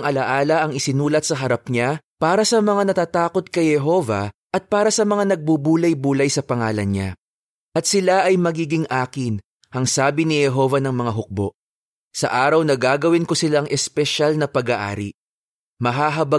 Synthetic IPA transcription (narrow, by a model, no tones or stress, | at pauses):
ŋʔɐlɐʔaːlɐʔɐŋɪsɪnuːlɐt̪̚sɐɦɐɾɐp̚ɲapaːɾɐsɐmɐŋanɐt̪aːt̪aːko̞t̪̚kɐjhɛɦo̞vɐ̰ʔɐt̪̚paːɾɐsɐmɐŋanɐɡ̚bubuːlɐjbuːlɐjsɐpɐŋaːlɐnɲa̰ | ʔɐt̪̚sɪlaʔɐjmɐɡiːɡɪŋʔaːkɪn | hɐŋsaːbɪnɪhɛɦo̞vɐnɐŋmɐŋaɦʊk̚bo̞̰ʔ | sɐ̰ʔaːɾɐwnɐɡaːɡɐwɪnkosɪlaŋʔɛspɛʃalnɐpɐɡaʔa̰ːɾḭ | mɐɦaːɦɐbɐ